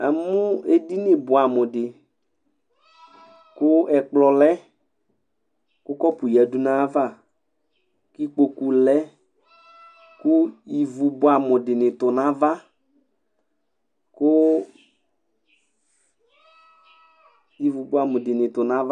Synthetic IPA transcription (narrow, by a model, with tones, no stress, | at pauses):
ɛ˨mʊ˦e˦di˦nɪ˨bʊ˨a˨mʊ˨dɪ˨ | kʊ˦ɛ˨k͡plɔ˨lɛ˦ | kʊ˦kɔ˦pʊ˨ja˨du˦nã˦va˦˨ | ki˦k͡po˨ku˨lɛ˦ | kʊ˦ji˨vu˨bʊ˨a˨mʊ˨dɪ˨nɪ˨tʊ˨nã˨˦va˦ | kʊ˦ | ji˨vu˨bʊ˨˦a˨mʊ̃˨dɪ˨nɪ˨tʊ˨nã˨˦va˦